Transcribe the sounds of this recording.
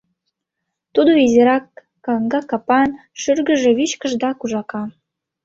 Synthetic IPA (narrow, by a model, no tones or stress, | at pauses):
t̪ud̪oizeɾɑkː | ɑŋɡɑkɑpɑnʃyrɡə̆ʒĕβiʃkə̆ʒd̪ɑkuʒɑkɑ